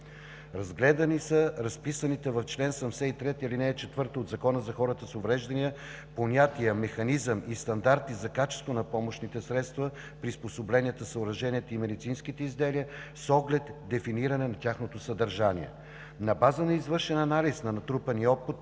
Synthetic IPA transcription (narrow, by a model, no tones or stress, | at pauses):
ɾɐzɡlɛd̪ənisəɾɐspisənit̪ɛvɐft͡ʃlɛnsɐmsɛit̪ɾɛt̪ilinɛːt͡ʃɛt̪vɤɾt̪əod̪zɐkɔnəzɐxɔɾət̪əsovɾɛʒd̪ɐnijə | ponʲat̪iəmɛxɐnizəmist̪ɐnd̪aɾt̪izɐkat͡ʃɛ̥st̪vonɐpɔmoʃnit̪ɛsɾɛt̪st̪və | pɾisposoblɛniət̪əsəʊɾɐʒɛniɛt̪əimɛd̪it̪sinskit̪ɛizd̪ɛliəsɔɡlɛt̪d̪ɛfiniɾɐnɛnɐt̪ʲaxnot̪osəd̪ɐɾʒaniɛ̰ | nɐbazənɐizvɤɾʃɛnɐnalisnɐnɐt̪ɾupəniɔpːut̪